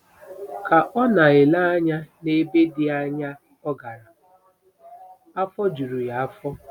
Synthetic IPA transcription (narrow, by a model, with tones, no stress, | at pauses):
ka˨ʔɔ˦na˨ɪ˨la˦a˦ɲa˦ne˦be˦dɪ˦a˦ɲa˦ | ɔ˦ɡa˨ɾa˨ | a˦fɔ˦d͡ʒu˨ɾu˨ja˨a˦fɔ˦